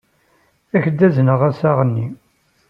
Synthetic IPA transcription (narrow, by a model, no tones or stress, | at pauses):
æçd̪ːæznəʁæsaʁənːi